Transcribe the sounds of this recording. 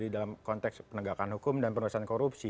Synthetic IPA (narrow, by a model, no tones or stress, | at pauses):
didalamkɔnt̪ɛkspənəɡakanhɦukʊmdanpənuasankoɾupsi